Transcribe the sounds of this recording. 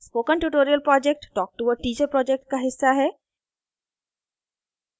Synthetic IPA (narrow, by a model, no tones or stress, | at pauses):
spoːkənʈuːʈoːɾijəlpɾɔːd͡ʒek̚ʈʈɔːk̚ʈuːʋəɖ̚ʈiːd͡ʒepɾɔːd͡ʒek̚ʈ̚kaɦɪsːaɦɛː